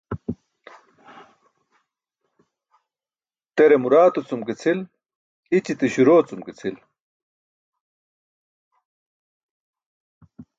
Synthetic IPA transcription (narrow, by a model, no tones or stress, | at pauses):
t̪eɾemuɾaːt̪ut͡sumket͡sʰil | it͡ɕit̪iɕuɾoːt͡sumket͡sʰil